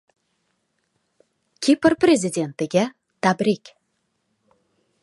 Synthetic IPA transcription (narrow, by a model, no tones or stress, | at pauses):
kʲʰipɪrprʲezʲidʲe̞nt̪ɪɡʲe | t̪ʰabɾʲikʲ